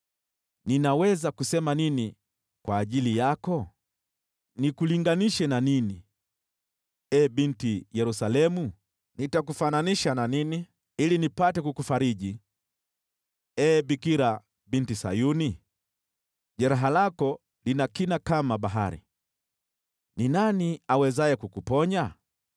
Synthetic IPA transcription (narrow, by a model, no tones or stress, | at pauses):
ninawɛzakusɛmanini | kwaːʄilijakɔ | nikuliŋɡaniʃɛnanini | ɛɓintijɛɾusalɛmu | nitak̬ufananiʃananini | ilinipatɛkukufaɾiʄi | ɛɓikiɾa | ɓintisa̰juni | ʄɛɾaɦalakɔ | linakinakamaɓaɦa̰ɾḭ | ninaniawɛzajɛkukupɔɲa